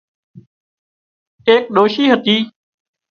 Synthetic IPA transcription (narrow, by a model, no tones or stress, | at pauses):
eːk̚ɗoːʃiːɦət̪iː